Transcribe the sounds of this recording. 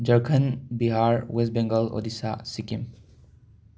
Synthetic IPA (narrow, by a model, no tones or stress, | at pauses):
d͡ʒəɾkʰənbiɦaɹwes̬bɛ̃ŋɡəlo̰disa̰sikim